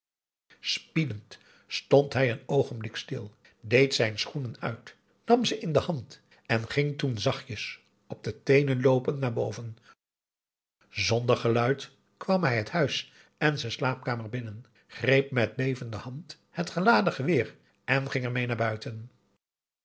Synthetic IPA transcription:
spidənt | stɔntɦɛjənowχənblɪkstɪlˠ | dejtsɛjnsχunənœ̰ɥt | nɑmzəʔɪndəhɑnt | ɛnχɪŋtunzɑχjəs | ɔb̚dətejnənlowpəntnaːɹbowvən | zɔndəɹχəlœɥt | kʋɑmɦɛjɦəthœɥs | ɛnzɛslaːp̚kaːməɹbɪnən | χrejp̚mɛt̚lejvəndəhɑnt | hətχəlaːdəχəʋɪːɹ | ʔɛnχɪŋəɹmejnaːɹbœɥtən

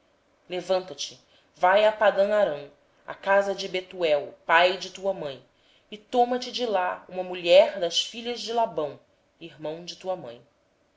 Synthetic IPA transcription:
levɐ̃nt̪ɐt͡ʃɪ̥ | vajapad̪ɐ̃w̃aɾɐ̃w̃ | a̰kazɐd͡ʒɪbet̪uɛwpajd͡ʒɪt̪uɐmɐ̃j̃ | ɪt̪õmɐt͡ʃɪd͡ʒɪlaṵ̃mɐmuʎɛɾd̪ɐʃfiʎɐzd͡ʒɪlabɐ̃w̃ | iɦmɐ̃w̃d͡ʒɪt̪uɐmɐ̰̃j̃

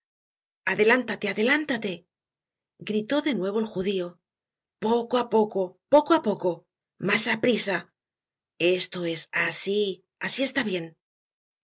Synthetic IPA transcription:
aðe̞lant̪at̪e̞aðe̞lant̪at̪e̞ | ɡɾit̪o̞ðe̞nwe̞β̞o̞elxuðio | po̞koapo̞ko̞po̞koapo̞ko̞ | masapɾisa | e̞st̪o̞e̞sasi | asie̞st̪aβje̞n

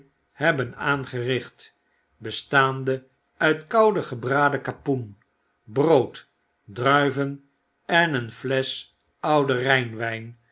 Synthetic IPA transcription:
hɛbənaːnχərɪχt | bəstaːndə | œɥtkɑwdəχəbraːdəkapun | browt | drœɥvən | ɛnənflɛs | ɑwdərɛjnʋɛjn

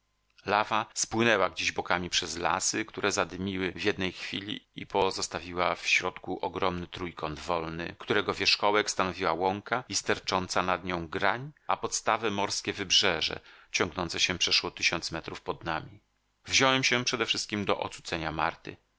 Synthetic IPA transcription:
lavaspwɘnɛwaɡd͡ʑeʑbɔkamʲipʂɛzla̰sɘkt̪uɾʔɛzad̪ɘmʲiwɘvjɛd̪̚nɛjxfʲḭlʲḭipɔzɔst̪avʲiwafɕɾɔt̪kuʔɔɡɾɔmnɘt̪ɾujkʰɔnd̪vɔlnɘ̰kt̪uɾɛɡɔvʲjɛʂkɔwɛkst̪anɔvʲiwawɔŋkaist̪ɛɾt͡ʂɔnt̪sanad̪ɲɔ̃w̃ɡɾaɲapɔt̪st̪avɛmɔɾskʲɛvɘbʐɛʐɛ̰t͡ɕɔŋɡnɔnt̪sɛɕɛpʂɛʂwɔt̪ɘɕɔnt̪smɛt̪ɾufpɔd̪namʲi | vʑɔwɛmɕɛpʂɛd̪ɛfʂɘst̪̚kʲimd̪ɔʔɔ̰t̪sut̪sɛɲama̰ɾt̪ɘ̰

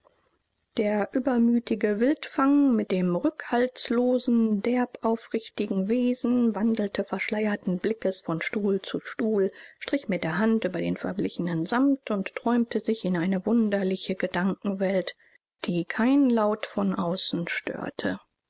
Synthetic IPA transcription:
d̥eːɐʔyːbɐmyːtɪɡəvɪltfaŋmɪt̚d̥eːmʁʏkhaltsloːzn̩dɛɐpʔaʊfʁɪçtɪɡŋ̩veːzn̩vandl̩tʰəfɛɐʃlaɪɐtn̩blɪkəsfɔnʃtuːlt͡suʃtuːlʃtʁ̥ɪçmɪt̚d̥eːɐɦantʔyːbɐdḛːnfɛ̰ɐblɪçənənzamtʰʊnttʁ̥ɔʏmtʰəzɪçɪnaɪnəvʊndɐlɪçəɡədaŋkŋ̩vɛlt | d̥iːkʰaɪnlaʊtfɔnʔaʊsn̩ʃtø̰ːɐtʰə

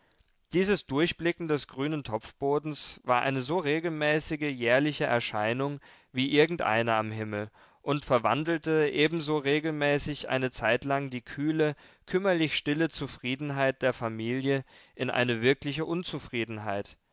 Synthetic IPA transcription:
d̥iːzəsd̥ʊɐçb̥lɪkŋ̩dɛsɡ̥ʁyːnəntʰɔp͡fb̥oːdn̩sv̥aːɐʔa̰ɪnəzoːʁeːɡl̩mɛːsɪɡəjɛːɐlɪçəʔɛ̰ɐʃaɪnʊŋ | viːʔɪɐɡŋ̩tʔa̰ɪnəamɦɪml̩ | ʔʊntfɛɐva̰ndl̩təʔeːbm̩zoːʁeːɡl̩mɛːsɪçʔa̰ɪnət͡saɪtlaŋdiːkʰyːlə | kʰʏmɐlɪçʃtɪlət͡sufʁ̥iːdn̩ɦaɪt̚d̥eːɐfamiːljəʔɪnʔa̰ɪnəvɪɐklɪçəʔʊnt͡sufʁ̥iːdn̩ɦaɪt

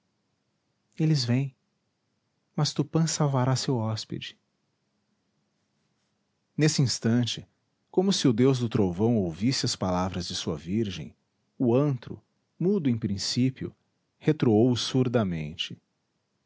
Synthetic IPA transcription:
elɪzvẽj̃ | mɐst̪upɐ̃sawvaɾasewɔspɪ̰d͡ʒɪ̥ | nesɪĩst̪ɐ̃t͡ʃɪ | kõmʊsɪʊd̪ewzd̪ʊt̪ɾowvɐ̃w̃owvisɪɐspalavɾɐzd͡ʒɪsuɐviɾʒḛ̃j̃ | ʊɐ̃nt̪ɾʊ̰ | mud̪ʊẽj̃pɾĩsipiʊ̰ | het̪ɾoowsuɾd̪ɐmḛ̃nt͡ʃɪ

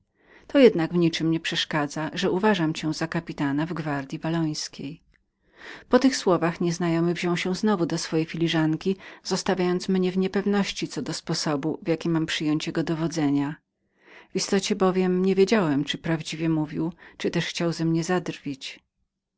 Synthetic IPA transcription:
t̪ɔjɛd̪naɡvɲit͡ʂɘmɲɛpʂɛʂkad̪zaʐɛuvaʐamt͡ɕɛzakapʲit̪anavɡvaɾd̪ʲjivalɔj̃skʲej | pɔt̪ɘxswɔvaxɲɛznajɔmɘvʑɔ̃w̃ɕɛ̃w̃znɔvud̪ɔsfɔjejfʲilʲiʐaŋkʲiz̥ɔst̪avʲjajɔnt̪smɲɛvɲɛpɛvnɔɕt͡ɕit̪sɔd̪ɔspɔsɔbuvʲjakʲimːampʂɘjɔɲt͡ɕjɛɡɔd̪ɔvɔd̪zɛɲa | v̥ʲist̪ɔt͡ɕɛbɔvʲjɛmɲɛvʲjed͡ʑawɛmt͡ʂɘpɾavd͡ʑivʲjɛmuvʲiwt͡ʂɨt̪ɛʂxt͡ɕawzɛmɲɛzad̪rvʲit͡ɕ

